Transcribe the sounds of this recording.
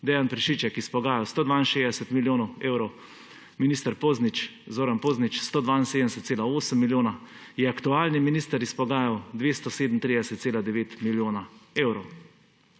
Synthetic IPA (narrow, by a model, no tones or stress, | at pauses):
d̪ɛjanpɾɛʃiːt͡ʃɛkispɔɡaːjawst̪oːd̪ʋaːinʃeːd̪ɛsɛt̪miljoːnɔweːwɾɔw | miniːst̪əɾpoːznit͡ʃzoːɾampoːznit͡ʃst̪oːd̪ʋaːinsed̪əmɛsɛt̪seːlaoːsəmːiljoːna | jɛakt̪uaːlniminiːst̪əɾispɔɡaːjawd̪ʋeːst̪ɔseːd̪n̩t̪ɾid̪ɛsɛt̪seːlad̪ɛʋeːt̪miljoːnaeːwɾɔw